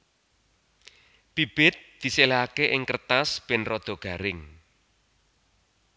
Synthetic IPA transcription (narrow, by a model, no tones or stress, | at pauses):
b̥ib̥ɪt̪̚d̪̥i̤selaakeʔɪŋkərt̪asb̥ɪnrɔd̪̥ɔ̤ɡ̥a̤ɾɪŋ